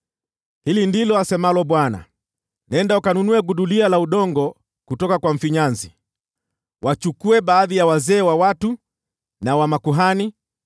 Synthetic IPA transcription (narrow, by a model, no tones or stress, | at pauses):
hilindilɔasɛmalɔɓwana̰ | naɛndaukanunuɛɡuɗulialauɗɔŋɡɔ | kutɔkakwaɱ̩fiɲanzi | wʔat͡ʃukuɛɓaːðijawazɛːwawatu | nawamakuɦani